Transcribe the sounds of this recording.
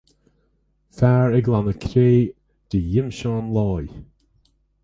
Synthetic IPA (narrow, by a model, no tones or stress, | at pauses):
faːɹɪɡlanəkʰɾeː | d̪̥əjɪmʃɑːnlɑːj